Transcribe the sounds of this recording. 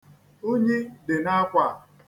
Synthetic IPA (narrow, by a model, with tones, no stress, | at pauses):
o˦ɲe˦de˨na˦kʷa˨